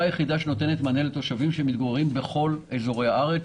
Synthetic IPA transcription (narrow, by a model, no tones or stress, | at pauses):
ajeχid̪aʃeno̞t̪enet̪manelt̪o̞ʃavimʃemit̪̚ɡoʁeʁimbe̞χo̞lezo̞ʁe̞jaaʁe